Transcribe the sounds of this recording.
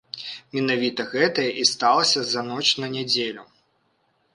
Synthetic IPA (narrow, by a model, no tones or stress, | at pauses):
mʲɛnavʲit̪ɐɣɛt̪ɐjɛʔist̪alˠɐsʲɐzɐnɔt͡ʃnɐnʲɛd͡zʲelʲu